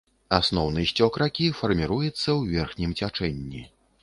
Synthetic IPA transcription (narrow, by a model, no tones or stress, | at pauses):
asnɔwnɨjsʲt͡sʲɔkɾakʲifɐrmʲiɾujɛt̪sːɐwvʲɛrxnʲimt͡sʲat͡ʂɛnʲːi